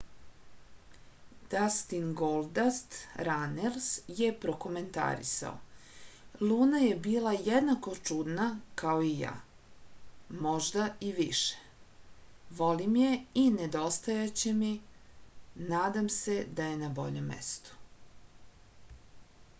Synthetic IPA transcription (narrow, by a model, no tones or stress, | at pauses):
d̪̥ast̪inɡolˠd̪ast̪ɾanelsje̞pɾo̞ko̞me̞nt̪a̰ɾḭsa̰o̰ | lˠuːnaje̞biːlˠajed̪nako̞t͡ʃud̪nakaoija̰ː | moʒd̪aiʋiʃe̥ | ʋolimje̞ined̪o̞st̪ajat͡ɕe̞mi | naːd̪amse̞d̪aje̞nabo̞̰ʎemːḛst̪u̥